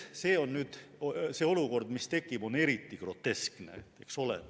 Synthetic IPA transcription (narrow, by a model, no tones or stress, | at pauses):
seːo̞nːyːd̪̥seːo̞luko̞rd̪̥mist̪e̞kːˑib̥o̞ne̞ɾit̪ˑːiɡ̥ro̞t̪ːe̞skne̞̰ekso̞lḛ